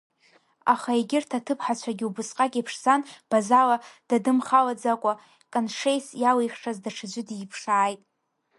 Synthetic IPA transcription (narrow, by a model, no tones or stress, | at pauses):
a̰χaeɡʲɪrtʰatʰɨpʰħat͡ɕʷʰaɡʲiubʊsqʼakʲʼipʰʂzanb̥azalad̥adɨmχalad͡zakʷʼa | kʼanʂejsjalejχʂazdaʈ͡ʂʰɨd͡ʒʷɪdipʰʂaːjtʼ